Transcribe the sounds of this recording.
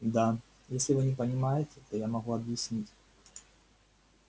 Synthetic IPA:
d̪a | jesʲlʲɪvɨnʲɪpənʲɪmajɪtʲɪt̪ojamɐɣuɐbjɪsʲnʲitʲ

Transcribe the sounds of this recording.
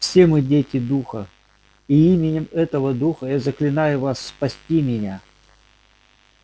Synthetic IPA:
fsʲe̞mɨdʲetʲɪd̪uxə | iimʲɪnʲɪmɛt̪əvəd̪uxəjazəklʲɪnajʊvasːpɐsʲtʲimʲɪnʲa

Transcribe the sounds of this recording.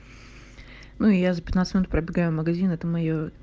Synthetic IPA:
nuɪjazəpʲɪt̪nat̪smʲɪnut̪pɾəbʲɪɡajʊməɡɐzʲinɛt̪əmɐjo

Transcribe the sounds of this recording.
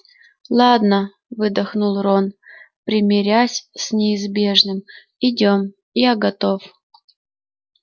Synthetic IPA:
lˠad̪nə | vɨd̪ɐxnulˠron | pɾʲɪmʲɪɾʲasʲsʲnʲɪɪzbʲe̞ʐnɨm | ɪdʲom | ijaɡɐt̪o̞f

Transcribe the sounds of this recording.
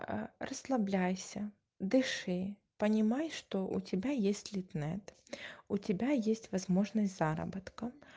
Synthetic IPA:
rəslˠɐblʲæjsʲə | d̪ɨʂɨ | pənʲɪmajʂt̪oʔʊ̰tʲɪbʲajesʲtʲlʲɪt̪nɛt̪ʊtʲɪbʲajesʲtʲvɐzmoʐnəsʲtʲzaɾə̰bət̪kə

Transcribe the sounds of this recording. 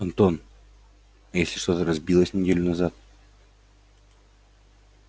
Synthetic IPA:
ɐnt̪on | jesʲlʲɪʂt̪o̞t̪əɾɐzbʲilˠəsʲnʲɪdʲelʲʊnɐzat̪̚

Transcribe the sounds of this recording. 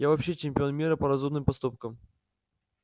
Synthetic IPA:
javɐpɕːet͡ɕɪmʲpʲɪo̞nmʲiɾəpəɾɐzumnɨmpɐst̪up̚kəm

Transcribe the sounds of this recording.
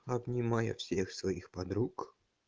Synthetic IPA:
ɐbnʲɪmajɐ̰fsʲexsvaixpɐd̪ɾuk

